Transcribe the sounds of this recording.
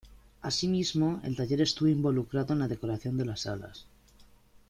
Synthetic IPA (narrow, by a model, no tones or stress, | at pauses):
asimizmo̞e̞̰lt̪aʝe̞ɾe̞st̪uβoimbo̞lukɾaðonlaðe̞ko̞ɾaθjo̞nd̪e̞lasala̰s